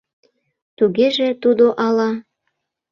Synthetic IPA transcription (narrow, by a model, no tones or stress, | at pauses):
t̪uɣeʒĕt̪ud̪oʔɑlɑ